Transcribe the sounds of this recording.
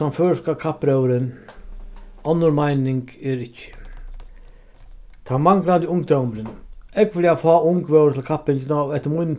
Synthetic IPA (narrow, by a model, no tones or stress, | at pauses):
anføːʂkakʰapɾœwɾən | ɔnːəɾmajnɪŋkɛɾɪcːə̥ | t̪ʰamaŋkland̪ɪʊŋɡ̚d̪œwmɾənɛkʋɪljafɑːʊŋkʋœwɾt̪ʰɪlkʰapɪɲt͡ɕɪnaɔɛht̪ːəɾmʊjn